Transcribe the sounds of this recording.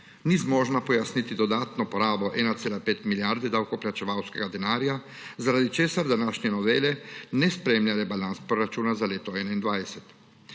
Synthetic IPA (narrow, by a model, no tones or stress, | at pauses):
nizmɔːʒnapɔjasnit̪id̪ɔd̪aːt̪nɔpɔɾaːbɔʔɛːnat̪seːlapeːt̪miljaɾd̪ɛd̪awkɔplat͡ʃɛʋawskɛɡad̪ɛnaːɾja | zaɾad̪it͡ʃeːsaɾd̪anaːʃnʲɛnɔʋeːlɛnɛspɾeːmljalɛbalanspɾoɾat͡ʃuːnazaleːt̪ɔɛːnaind̪ʋajsɛt̪